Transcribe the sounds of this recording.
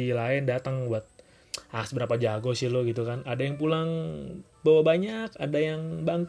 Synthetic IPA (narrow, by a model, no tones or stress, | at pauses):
ilaɪndat̪əŋbuat̪̚ | asbəɾapad͡ʒaɡɔsɪhlʊɡit̪ukanadajaŋp̬ulaŋ | bawabaɲakadajaŋbaŋk